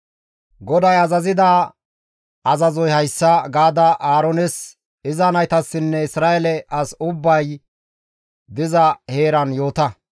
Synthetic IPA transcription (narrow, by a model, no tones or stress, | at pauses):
ɡɔd̪ɐjɐzɐzɪd̪aː | ɐzɐzɔjhɐjsːɐɡaːd̪ɐʔaːɾɔnɛs | ɪzɐnɐjt̪ɐsːɪnːɛɪsɾaːɛlɛʔɐsʊbːɐj | d̪ɪzɐhe̞ːɾɐnjo̞ːt̪ɐ